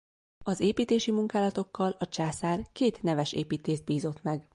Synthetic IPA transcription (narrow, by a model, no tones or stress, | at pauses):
ɒzeːpiːt̪eːʃimuŋkaːlɒt̪o̞kːɒlɒt͡ʃaːsaːrkeːt̪nɛvɛʃḛːpiːt̪eːzd̪̚biːzo̞t̪mɛɡ